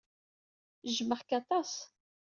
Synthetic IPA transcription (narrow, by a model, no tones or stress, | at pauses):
ʒməʁkɑt̪ˤɑs